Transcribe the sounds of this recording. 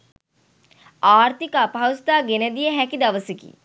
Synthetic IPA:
aːɾt̪ikapɦɐwst̪aːɡened̪ijəɦɛkid̪ɐʋəsikḭ

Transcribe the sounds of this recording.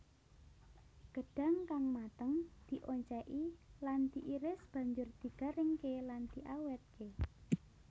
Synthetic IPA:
ɡ̥ə̤ɖ̥a̤ŋkaŋmat̪əŋd̪̥i̤ʔoɲt͡ʃɛʔiland̪̥i̤ʔiɾɪsb̥ä̤ɲd͡ʒʊrd̪̥i̤ɡ̥a̤ɾɪŋkeland̪̥iʔawɛt̪̚ke

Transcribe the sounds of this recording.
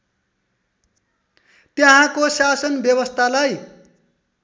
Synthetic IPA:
t̪jeɦãkosasʌnbjʌwʌst̪ʰalaj

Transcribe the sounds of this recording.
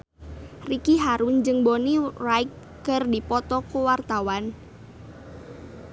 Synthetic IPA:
rikiɦaɾund͡ʒɨŋbonirajk | kərdipɔt̪ɔkuwart̪awan

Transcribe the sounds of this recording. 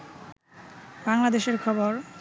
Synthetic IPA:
baŋlad̪eʃeɾkʰɔboɾ

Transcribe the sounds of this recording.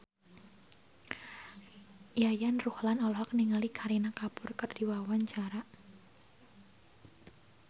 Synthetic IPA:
jajanruhlanɔlɔɦɔk̚niŋalikʰaɾinakapʊrkərd̥iwawaɲt͡ʃaɾa

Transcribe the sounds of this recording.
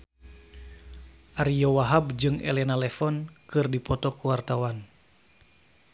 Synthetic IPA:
ʔaɾijɔwaɦab̚d͡ʒɨŋɛ̰lɛnalɛfɔnkɨrdipɔt̪ɔkuwart̪awan

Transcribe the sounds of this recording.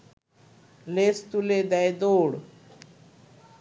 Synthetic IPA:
lest̪uled̪ajd̪oːɽ

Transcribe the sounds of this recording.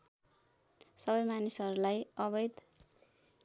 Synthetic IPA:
sʌβʌjmanisʌɾulajʌβʌjd̪

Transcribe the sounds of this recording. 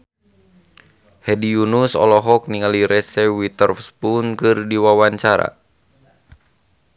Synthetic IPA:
hɛdijunusɔ̰lɔɦɔk̚niŋaliɾɛsɛwit̪ərfspunkɨrdiwawaɲt͡ʃaɾa̰

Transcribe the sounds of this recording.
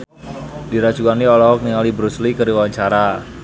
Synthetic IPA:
diɾḁt͡ʃukanːiɔlɔɦɔk̚niŋalibɾuslikəɾiwawaɲt͡ʃaɾa

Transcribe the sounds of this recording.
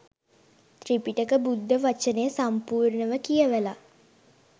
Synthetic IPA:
t̪ripiʈəkəbud̪ʱːəʋat͡ʃənejəsampuːrnəʋəkijəʋəla

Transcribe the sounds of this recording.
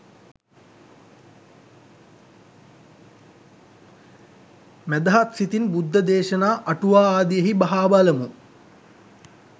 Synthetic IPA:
mæd̪ɐɦat̪sit̪inbud̪ʱːɐd̪eːʃɐnaːʔɐʈuʋaːaːd̪ijɐɦibaɦaːbalɐmu

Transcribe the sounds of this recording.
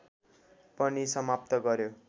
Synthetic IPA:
pʌnisʌmap̚t̪ʌɡʌɾjo

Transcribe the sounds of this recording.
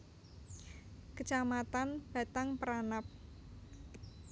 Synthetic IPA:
kət͡ʃamat̪anb̥a̤t̪aŋpəɾanap̚

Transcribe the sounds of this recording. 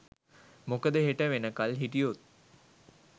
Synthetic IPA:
mokəd̪əɦeʈəʋenəkalɦiʈijot̪̚

